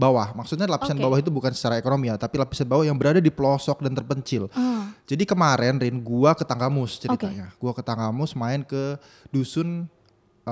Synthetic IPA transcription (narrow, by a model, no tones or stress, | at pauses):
bawahmaksut̪ɲalapisanbbawahit̪̬ubukansə̥t͡ʃaɾaekonomiat̪apilapi̥sanbawahjaŋbəɾadadipəlosɔk̚dant̪ərpəɲt͡ʃɪld͡ʒadikəmaɾɛnrɪnɡuakət̪aŋɡamʊst͡ʃəɾit̪a̰ɲaɡ̥uakət̪aŋɡamʊsmaɪnkə | dusʊn